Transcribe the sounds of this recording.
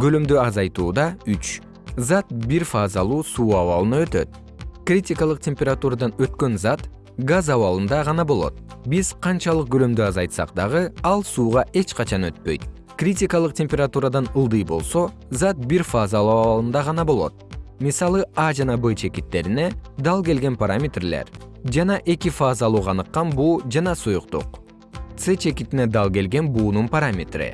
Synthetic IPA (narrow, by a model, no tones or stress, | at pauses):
ɡø̞lømd̪øɑzɑjt̪uːd̪ɑyt͡ʃ | zɑt̪̚biɾfazɑlˠuːsuːɑβɑlˠɯnɑø̞t̪ø̞̰t̪̚ | krʲitʲikɑlˠɯq̚tʲemʲpʲeɾat̪uɾad̪ɑnø̞t̪kø̞nzɑt̪ | ɡazɑβɑlˠɯnd̪ɑʁɑnɑbo̞lˠo̞̰t̪̚biz̥qʰɑnt͡ʃɑlˠɯq̚ɡø̞lømd̪øɑzɑjt̪sɑ̰q̚d̪ɑʁɯɑlˠsuːʁɑʔe̞t͡ʃqɑt͡ʃɑnø̞t̪̚pø̞jt̪̚ | krʲitʲikɑlˠɯq̚tʲe̞mʲpʲeɾat̪uɾad̪ɑnɯlˠd̪ɯjbo̞̰lˠso̞ | zat̪̚biɾfazalˠuɑɑlˠɯnd̪ɑʁɑnɑbo̞lˠo̞̰t̪̚misɑlˠɯɑd͡ʒɑnɑbet͡ʃʰe̞kit̪ːe̞ɾine̞d̪ɑlˠɡe̞lɡe̞npaɾamʲe̞t̪rle̞̰ɾ | d͡ʒɑnɑʔe̞kifazɑːlˠuːʁɑːnɯqːɑnbuːd͡ʒɑnɑsujuqt̪ṵq | t̪set͡ʃʰe̞kit̪ine̞d̪ɑlˠɡe̞lɡe̞nbuːnunpaɾamʲet̪rɨ̰